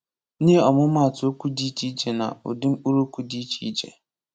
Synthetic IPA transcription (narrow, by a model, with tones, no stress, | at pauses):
ni˦e˦ɔ˨mʊ˦ma˦˨tʊ˨o˦kʷu˦di˨˦t͡ʃi˦d͡ʒe˨na̰˨o̰˨dɪ˦m̩˦k͡pu˦ɾu˦kʷu˦di˦t͡ʃi˦i˦d͡ʒḛ˨